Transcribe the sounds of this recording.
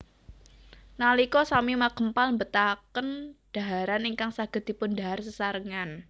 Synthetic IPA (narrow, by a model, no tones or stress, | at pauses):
nalikɔsamimakəmpalmbət̪akənd̥a̤ɦaɾaniŋkaŋsaɡ̥ə̤d̪̥i̤pʊndaɦarsəsaɾəŋan